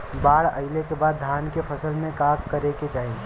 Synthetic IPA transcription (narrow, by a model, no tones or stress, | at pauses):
baːɽɐɪlekebaːd̪̚ːʱaːnkepʰɐsəlmẽkaːkkəɾeket͡ʃaːɦĩ